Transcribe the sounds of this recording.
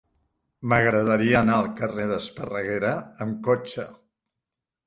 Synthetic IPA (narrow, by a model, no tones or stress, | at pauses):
məɣɾəðəɾiənaəlˠkəreðəspərəɣeɾəːmkot͡ʃə